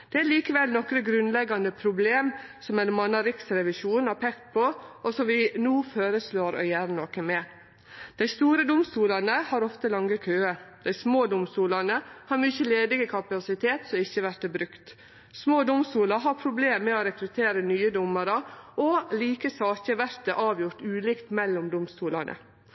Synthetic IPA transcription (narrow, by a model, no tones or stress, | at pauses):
d̪̥ɛæɾliːkəʋɛlnɔkɾəɡɾʉnlɛɡːɑnd̪əpʰɾʊbleːmsɔmɛnmɑnːɑɾɪksɾɛʋɪʃuːnɑɾpʰɛkt̪̚pʰoʔɔsɔmʋɪnuːføːɾəsloːɾɔ̰jæːɾnənɔkəmɛ | d̪̥æɪst̪uːɾəd̪ʊmst̪uːlɑnəhɑɾɔft̪əlɑŋːəkʰøːəd̪̥æɪsmoːd̪ʊmst̪uːlɑnəhɑɾmyçəleːd̪ɪɡəkʰɑpɑsɪt̪ʰeːt̪sɔɪçːəʋæɾt̪əbɾʉkt̪ | smoːd̪ʊmst̪uːlɑɦɑɾpʰɾʊbleːmːɛoɾɛkɾʉt̪ʰeːɾənyːəd̪ʊmːəɾəʔɔliːkəsɑːçəʋæɾt̪əʔɑːʋjʊɾt̪ʉːliːkt̪mɛlːɔmd̪ʊmst̪uːlɑ̰nʔə̰